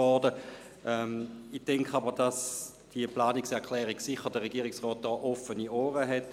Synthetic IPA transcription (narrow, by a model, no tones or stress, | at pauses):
ɔdə | ʔɛmid̥ɛŋkʰχəabəʁd̥ɑs | d̥iəplaːniksɛɐkʰlɛːʁiɡsɪχədəʁeɡiːɪksʁɔːt̚d̥ɔːʔɔfənioːʁəɦɛt